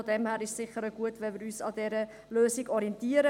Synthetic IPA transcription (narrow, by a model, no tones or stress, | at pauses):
odɛmhæːɾɪʃsɪχəɾəɡuətʋɛnʋɪɾyːsɑdɛɾə | løːsiɡɔɾiɛntiːəɾə